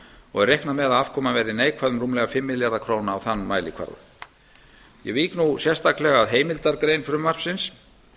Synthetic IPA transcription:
ɔ̰ɣɛrːejhknamɛðaðafvkʰɔːmavɛɾðɪneːjkʰvaðʏmrumlɛɣafɪmːɪðljaðakʰɾoːwnaːwθanːmaːjlɪkʰv̥a̰ɾðʏ̰ | jɛ̰viːknusjɛr̥st̪ʰaklɛɣaaðɦeːjmɪlt̪aɾkɾeːjnfɪɾʏmvar̥psɪns

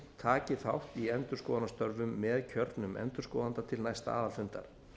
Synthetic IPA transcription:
t̪ʰaːcɪθawht̪iɛnt̪ʏɾ̥skɔːðanast̪œɾvʏmːɛːðcʰœɾt̪nʏmɛ̰nt̪ʏɾ̥skɔːðant̪at̪ʰɪlnajst̪a̰aːðafʏnt̪a̰ɾ̥

